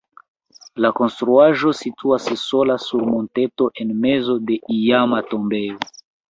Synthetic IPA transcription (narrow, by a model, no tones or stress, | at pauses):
lako̞nstɾuaʒo̞situasso̞lasuɾmo̞nte̞to̞ʔe̞nme̞zo̞de̞ʔijamato̞mbe̞o